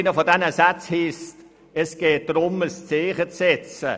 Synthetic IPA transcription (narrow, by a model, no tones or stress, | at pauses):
nəfɔdɛnəsat͡shist | ɛsɡ̥eːt̚d̥ɾʊməst͡seːχət͡sːɛt͡sə